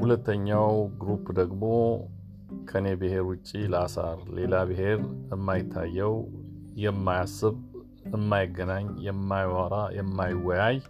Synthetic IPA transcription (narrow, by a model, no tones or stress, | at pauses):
hulət̪ʰːəɲːawɡɾupd̪əɡmo̞ | kʰənebɨhe̞ɾwʊt͡ʃʼːiləasa̰ɾle̞laβɨɦe̞ɾɨmːajɪt̪ʰːajːɛw | jɛmːajasɨβ | ɨmːajɪɡːənaɲjɛmːajwaɾajɛmːajɪwːɔjaj